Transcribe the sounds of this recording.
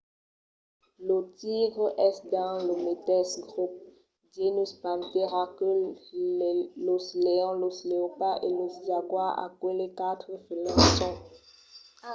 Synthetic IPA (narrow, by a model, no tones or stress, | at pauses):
lot̪iɡʁəʔɛsd̪ãləmet̪ɛsɡʁup̚ | d͡ʒenuspãnteʁakøl | losleɔ̃losleopaʔeloszaɡwaa̰kwelekat̪χəfelãsɔ̃